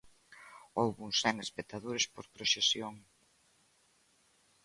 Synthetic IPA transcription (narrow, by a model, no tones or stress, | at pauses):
owβuŋsɛŋespek̚t̪aðuɾespoɾpɾoʃesjoŋ